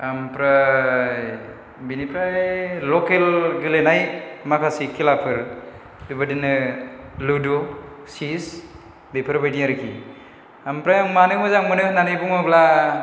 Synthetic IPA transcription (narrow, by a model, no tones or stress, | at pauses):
ampɾa | binipɾajːɔkelɡɯlenajmakʰasikʰːilapʰɯɾ | dubɯdɯnɯludo | sis | bepʰɯɾbajdijaɾɯkʰi | ampɾajaŋmanɯmɯzaŋmɯnɯnanɯjbuŋmɯbla